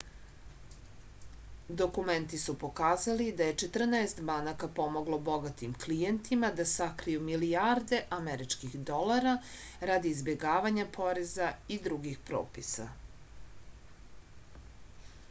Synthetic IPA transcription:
d̪o̞kument̪isupo̞kaːzalid̪aje̞t͡ʃet̪r̩naest̪banakapo̞mo̞ɡlˠo̞bo̞ɡat̪imklijent̪ʰimad̪asakɾijumilijaɾd̪e̞ʔameɾit͡ʃkixd̪o̞laɾaɾad̪iːzbje̞ɡaːʋaɲapʰo̞ɾezaid̪ɾuɡixpɾo̰ːpisa̰

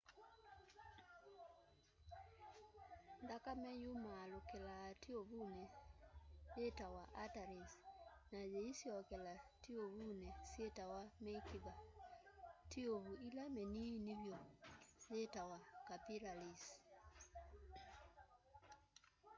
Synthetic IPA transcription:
ndakamɛjumaːlokɛlatioβunɛ | jetawaʔataɾisnajeisjɔkɛlatioβunɛsetawamɛkiða | tioβuilamɛniniβjɔjetawakapiɾalis

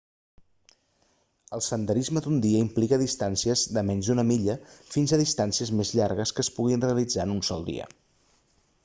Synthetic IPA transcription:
əlˠsənd̪əɾizməd̪und̪iəimplikəðist̪ansiəzðəmɛɲzðunəmiʎəfinzəðist̪ansiəzmezʎaɾɣəskəːspuɣ̞inreəlid͡zaənunsɔlˠd̪ḭə̰

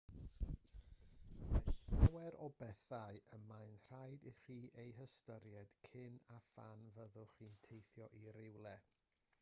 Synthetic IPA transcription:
mɛɬawɛɾɔbɛθaɨəmajnr̥ajdiχiːʔejɦəstəɾjɛd̥kʰɪnafanvəðʊχiːntʰejθjɔʔiɾɪwlˠɛ

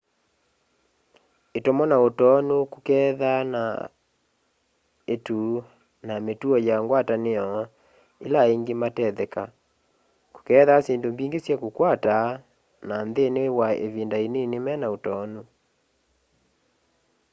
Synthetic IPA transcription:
etomɔnaotɔnukukɛðana̰ | etu | nametuɔjaŋɡwataneɔ | elaeŋɡematɛðɛka | ko̥kɛðaseːndombiːŋɡesjɛkukwata | nanðenewaḛvindainenemɛnaotɔnu

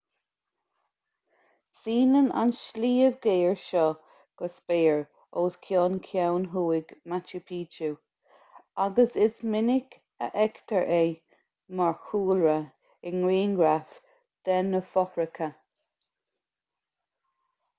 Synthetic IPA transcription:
siːnəna̰nʃliːəvɡeːɹʃɔ | ɡ̥ɔsbeːɹ | oːskʰjɔːnkʰjawnɦuːɪɡmat͡ʃupʰiːd͡ʒu | aɡəsɪsmɪnɪk | ə̰ʔɛkt̪ʰəɹʔeː | maɹxuːlɹə | ɪnɹiːnɡɹaf | d̪̥ɛnəfɔfɹɪkʰə

